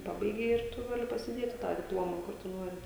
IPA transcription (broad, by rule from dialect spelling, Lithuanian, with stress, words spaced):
ˈpɑːbɐɪɡʲɛɪ ɪr ˈtʊ ˈɡɑːlʲɪ pɐsʲɪˈdʲeːtʲɪ tɑː dʲɪpˈlˠoːmɐ ˈkʊr tʊ ˈnuɔrʲɪ